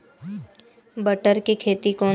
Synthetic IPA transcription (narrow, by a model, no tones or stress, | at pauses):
bəʈəɾkikʰeːt̪ikɔː